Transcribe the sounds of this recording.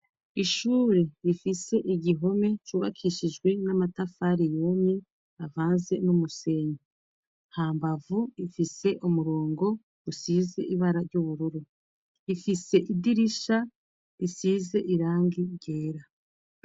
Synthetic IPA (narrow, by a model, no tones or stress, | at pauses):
iʃuːɾe̞ɾifise̞ʔiɟiɦo̞me̞t͡ʃuːβa̰kʰiːʃid͡ʒɡwe̞namatafaɾijo̞ːmɲe | avaːnze̞numuse̞ɲo | haːmbavuifise̞ʔumuɾoːŋɡo̞ | usiːze̞̰ʔiβaɾaɾɟuβuɾuɾu | ifise̞ʔidiɾiʃa | ɾisiːze̞ʔiɾaːŋɡiɾɟeːɾa